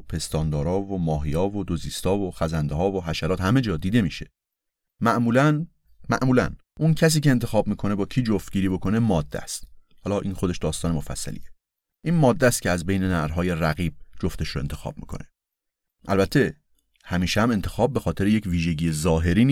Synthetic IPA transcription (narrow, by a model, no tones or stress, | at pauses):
pʰe̞st̪ɒːnd̪ɒːɾɒːvomɒːɦijɒːvod̪ozist̪ɒːvoxæzænd̪eɦɒːvoɦæʃæɾɒːt̪hæme̞d͡ʒɒːd̪iːd̪e̞miʃe̞ | mæʔmuːlæn | mæʔmuːlæ̰n | ʔuncʰæs̬iːce̞ːnt̪ʰe̞xɒːb̚miːkʰo̞nebɒːkʰiːd͡ʒoft̪̚ɟiːɾiːbo̞kʰo̞ne̞mɒːd̪ːæ̰st̪ | hɒlɒːʔiːnxod̪e̞ʃd̪ɒːst̪ɒːnemo̞fæ̰sːæ̰lḭːe | ʔiːnmɒːd̪ːæst̪̚cʰeæzbe̞jne̞næɾɦɒːje̞ræɣiːb̚d͡ʒoft̪e̞ʃɾoe̞nt̪ʰexɒ̰ːb̥̚mḭːkʰo̞̰ne̥ | ʔælbæt̪ʰːe̞ | hæmiːʃehæme̞nt̪ʰe̞xɒːb̚ːe̞xɒːt̪e̞ɾejecviːʒe̞ɟiːjezɒːɦe̞ɾiːni